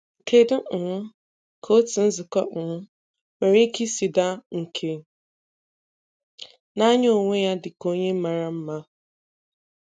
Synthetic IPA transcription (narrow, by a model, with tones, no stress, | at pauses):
kʰe˦dʊ˦˨ŋʷʊ˦ | kʰo˦tɪ˨n̩˦zʊ˨kɔ˦ʔ̩˨ŋʷʊ˦ | me˨ɾi˦ki˦si˨da˦ŋ̩˨kʰe˨ | na˦ɲ˦o˨ŋʷe˦ja˦dɪ˨ko˦ɲe˦m̩˦ma˨ɾa˦m̩˦ma˦